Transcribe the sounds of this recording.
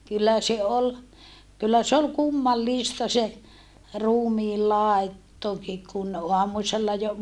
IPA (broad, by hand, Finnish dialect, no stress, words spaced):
kylːæ se ol kylːæ se ol kumːɑlːistɑ se ruːmiː lɑˑetːoki kun oɑmuselːɑ jo